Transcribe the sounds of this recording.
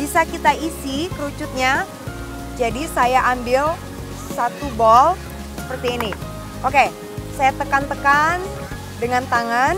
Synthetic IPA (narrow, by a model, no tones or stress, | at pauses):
b̥isakit̪aisikəɾut͡ʃʊt̪̚ɲa | d͡ʒadisajaʔambɪl | sat̪ubɔl | sə̥pərt̪iːni | ʔoke | sajat̪əkant̪əkan | dəŋant̪aŋan